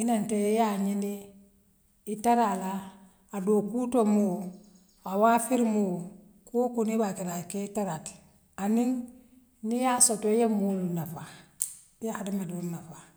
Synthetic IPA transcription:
inanteijaɲini | taɾalaː | dokutomu | awafiɾmu | kokunibakiɾakeitaɾat | aniŋ | nijasotojemulunafa | jaadamedulnafa

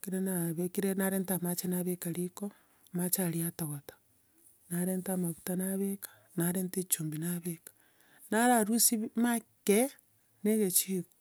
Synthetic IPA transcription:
kiɾenaβekiɾenaɾeːntamat͡ʃenaβekaɾiko | mat͡ʃaɾiataɣotḁ | naɾeːntamaβutanaβekḁ | naɾeːntet͡ʃuːmbinaβekḁ | naɾaɾusimake | neɣet͡ʃiko̥

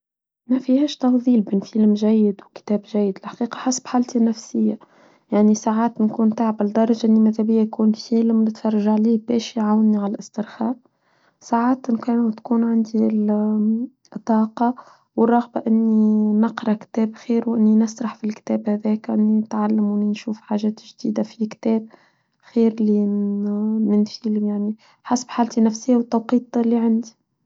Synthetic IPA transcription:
mæfihɛːʃt̪ɑfðˤiːlbɪnfilmʒæjːɪd̪wkt̪ɛːbʒæjːɪd̪ɪlħḁqiːqɑ̥ħasḁbħaːlt̪inæfsɪjːa | jaʕnisaːʕaːt̪nkuːnt̪aːʕbɪld̪ɑɾˤɑʒaʔɪnːimæðhæbɪjːajkuːnfiːlmnɪt̪fɑrˤːɑʒaʕliːbɛːʃiʕawnːiʕalʔɪst̪ɪɾxɑːʔ | saːʕaːt̪nkænt̪kuːnʕand̪il | t̪ˤːɑːqɑ | wərˤːɑɣbaʔɪnːinɑqɾˤɑkt̪ɛːbxiːɾwʔɪnːinɪsɾˤɑħfilkt̪ɛːbhæðɛːkʔɪ̰nːinɪt̪ʕalːamɪninʃuːfħaːʒɛːt̪ʒd̪iːd̪afikt̪ɛːb̚ | xiːɾli | mɪnfiːljaʕni | ħasabħaːlt̪inæfsɪjːawət̪ːɑwqiːt̪ˤlːiʕand̪i̥

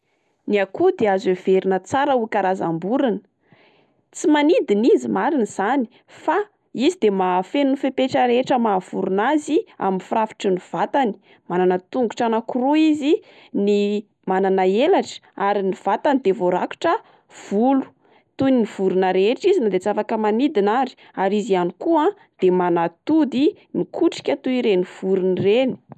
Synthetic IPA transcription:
niakud̪eazev̥eɾinət͡saɾəukaɾaza̰mbuɾinə̥ | t͡simanid̪inizimaɾiniz̥ani̥ | fa | izid̪emafenunifepeʈ͡ʂəɾeʈ͡ʂəmav̥uɾunazia̰minfurafi̥ʈ͡ʂəniv̥at̪ani̥ | mananət̪uŋɡuʈ͡ʂanakuɾuizi | ni | mananaelaʈ͡ʂə̥aɾiniv̥at̪anid̪evoɾaku̥ʈ͡ʂə | v̥ulu̥ | t̪uniniv̥uɾunəɾeʈ͡ʂizinad̪et͡safakəmanid̪inaɾi̥ | aɾizianikuã | d̪̥emanat̪ud̪i | mikʰuʈ͡ʂi̥kʲat̪uiɾeniv̥uɾunireni̥

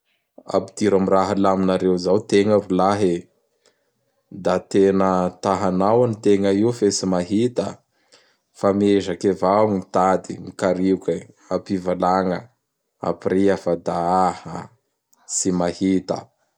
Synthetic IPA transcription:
a̰pid̪̥iɾamiraɦəlaminaɾewzawt̪eŋəɾulaɦe | d̪at̪enət̪aɦanawanit̪eŋəiufesimaɦit̪ə̰ | fameʒakevaŋit̪ad̪imikaɾikʲə | apivalaŋə | a̰piriafad̪aahə | simahit̪ə̰

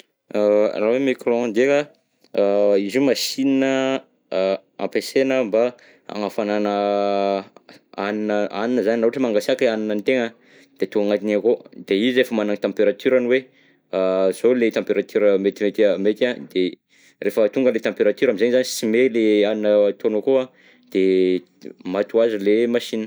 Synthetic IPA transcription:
rawemikroãd̪eka | izumasininə | ã̰mpesenəmba | a̰ŋafananə | aninəaninəzaninauaʈ͡ʂəmaŋɡasakaninənit̪eŋə | d̪̥et̪uŋɡaŋat̪inakod̪eiziefəmanaŋit̪ãmpeɾat̪yɾaniwe | az̥olet̪ãmpeɾat̪yɾəmet̪imet̪iamet̪ad̪e | refət̪uŋɡəlet̪ɑ̃mpeɾat̪yɾamizanizanisimeleaninət̪onakoa | d̪̥e | mat̪uazilemaʃinə

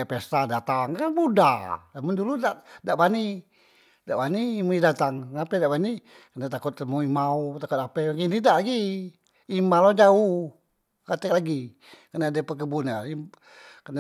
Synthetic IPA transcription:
pest̪adat̪aŋkanbuda̰lamʊnduludaʔdaʔbani | daʔbanimuidat̪aŋapɛdaʔbani | kənat̪akʊt̪̚moimaut̪akʊt̪̚apɛaɡinidaʔlaɡiː | malɔd͡ʒaʊh | kat̪ɛk̚laɡi | kənaːdapək̬əbunai | kəna

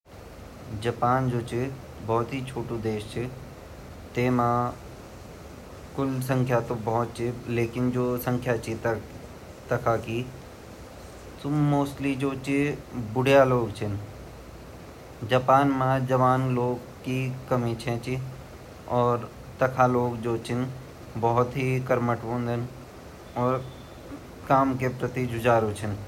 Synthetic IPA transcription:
d͡ʒɐpaːnd͡ʒoːt͡ʃʰi | bɔːt̪ɦit͡ʃʰoːʈũd̪eːʃt͡ʃʰi | t̪eːmãː | kʊls̬ə̃ŋkʰjat̪obɔɦɔt̪̚t͡ʃʰileːkɪnd͡ʒoːsə̃ŋkʰjat͡ʃʰi | t̪ɐkʰaki | t̪ʊmoːsʈlid͡ʒoːt͡ʃibʊɽʱjaloːɡt͡ʃʰɪn | d͡ʒaːpaːnmãd͡ʒɐʋaːnloːɡ | kikɐmĩt͡ʃʰɛ̃t͡ʃi | ɔːɾ | t̪ɐkʰaloːɡd͡ʒoːt͡ʃʰɪn | bɔɦʊt̪ɦikɐɾməʈʋõːnd̪ʱən | ɔːɾ | kaːmkepɾət̪id͡ʒʊd͡ʒaːɾot͡ʃʰin

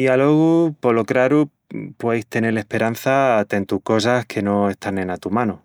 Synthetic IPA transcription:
ialoɣupolokɾaɾu | pwejst̪e̞nele̞hpe̞ɾan̟θat̪ent̪uhko̞s̬ahkʰe̞no̞e̞st̪anẽ̞nat̪umãnu

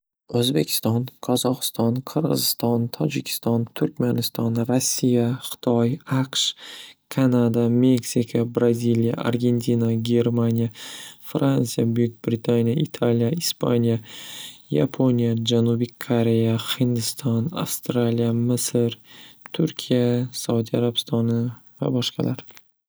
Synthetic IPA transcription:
ɵzbe̞kʲʰɪ̥st̪ɒnqʰɒzɒqɨ̥st̪ɒnqʰɨɾʁɨ̰zɪst̪ɒnt̪ʰɒd͡ʒɪkʲʰɪ̥st̪ɒnt̪ʰʊɾkʲmanɪst̪ɒnɾasːijaχɨ̥t̪ʰɒjaqʃkʰanad̪ame̞ksikʰabɾazilija̰ʔa̰ɾɡʲe̞nt̪ʰinaɡʲe̞ɾmanʲijafɾansijabʊjʊk̚ʲbɾɪt̪ʰanʲijaʔɪt̪ʰalijaɪspʰa̰nʲija | ja̰pʰonʲijad͡ʒanubikʰoɾe̞jahɪnd̪ɪst̪ʰɒna̰fst̪ɾalijamɪsɨɾt̪ʰʊɾkʲʰijasaud̪iaɾabɪ̥st̪ʰɒnɪ | va̰bɒʃqɑ̰lʔaɾ

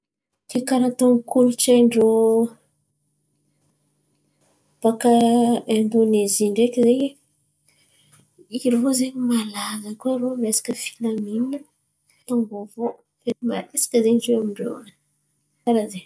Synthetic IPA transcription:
kekaɾat̪oŋikuluʈ͡ʂaɳɖ͡ʐo | b̥akaemb̪oneziɳɖ͡ʐekizej | iɾozeɲimalazəkuaɾomasḁkəfi̥lamininə | t̪oŋɡovo | venima̰lisi̥kəzeɲzeamiɳɖ͡ʐḛnə | aɾaze

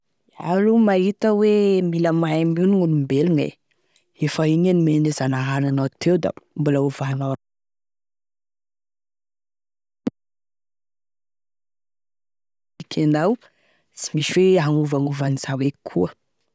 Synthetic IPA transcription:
alumaɦit̪əwemiləmaminiŋunumbelunḛ | efaiɲanimenezanaɦananat̪ʰewd̪a̰mbulauvana | ikʰanaw | si̥misweɦaŋuvaŋuvaniz̥awekʰuə

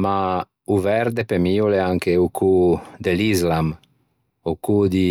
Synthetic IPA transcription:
ma | uvɛɾd̪epemiuleaŋkeukʰud̪elizlam | ukud̪i

